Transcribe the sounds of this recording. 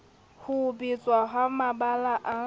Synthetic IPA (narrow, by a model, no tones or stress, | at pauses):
hʊbit͡sʼwaɦamaɓalaʔa